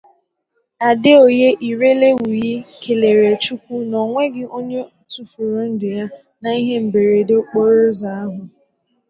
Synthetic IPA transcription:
a˨dɪ˦o˨je˦ʔi˨ɾe˦le˦wu˨ji˦kʰe˨le˨ɾe˨t͡ʃu˦kʷu˦nɔ˨ŋʷe˦ɡɪ˦o˦ɲe˦˨tu˦fu˨ɾʊ˨n̩˦dɪ˨ja˦ | na˨i˦ɦe˦m̩˨be˨ɾe˨do˦k͡po˦ɾʊ˦za˨a˦ɦʊ˨

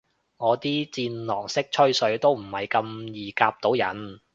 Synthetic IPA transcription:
ŋɔː˨˧t̪iː˥t͡siː˧nlɔː˨˩ŋsɪ˥k̚t͡ʃʰɵ˥ɥsɵ˨˧˥ɥt̪o˥wm̩˨˩hɐ˨jkɐ˧mjiː˨˩kaː˧p̚t̪o˨˥wjɐ̰˨˥n

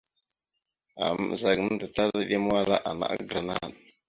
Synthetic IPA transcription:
a̰˨m̰˦˨za˨ɡn˦ndə˨ta˦za˦ɗi˦m˦a˦la̰˦ʔa˨na̰˨ʔa̰˦ɡɾa˨na̰˦˨n

